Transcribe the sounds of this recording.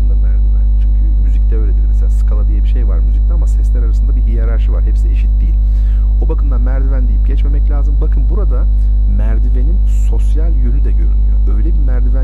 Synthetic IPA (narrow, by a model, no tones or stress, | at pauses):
d̪amæɾd̪ivænt͡ʃʰ | myzict̪ʰɛøːlʲet̪ʰimɛselʲaːsɯ̥kʰalˠad̪ijabiʃejva̰ɾmyzyc̚t̪ʰɛamasɛslʲæɾaɾasɯnd̪abiijaɾaɾʃɯva̰ɾhɛpsieʃit̪̚d̪ijilʲ | obakʰɯmd̪anmæɾd̪ivænd̪ijip̚ɟɛt͡ʃme̞mɛclʲaːzɯmbakʰɯmbuɾad̪a | mæɾd̪ive̞nin | so̞sjalʲjylʲyd̪ɛɟøɾynʲyjo̰bø̞jlʲɛbimæɾd̪ivæ